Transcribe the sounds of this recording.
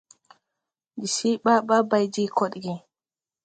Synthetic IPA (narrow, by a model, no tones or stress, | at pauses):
d͡ʒisijɓaɓabajd͡ʒikoɗiɡɛ